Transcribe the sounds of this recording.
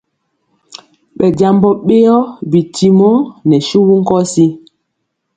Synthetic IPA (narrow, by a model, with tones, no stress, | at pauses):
ɓɛ˨d͡ʒa˨mbɔ˨ɓe˦ɔ˦bi˨ti˨mɔ˦nɛ˨ʃu˦wu˦ŋ̩˦kɔ˦si˦